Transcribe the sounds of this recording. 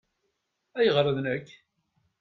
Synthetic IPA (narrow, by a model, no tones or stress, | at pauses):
æjəʁɾˤəðnəkː